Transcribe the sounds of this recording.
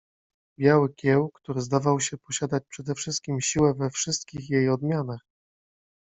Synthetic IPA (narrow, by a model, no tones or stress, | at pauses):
bʲjawɘkʲjɛwkt̪uɾɘzd̪avawɕɛpɔɕad̪at͡ɕʲpʂɛd̪ɛfʂɘst̪̚kʲimɕiwɛvɛfʂɘst̪̚kʲixjejɔd̪mʲjanax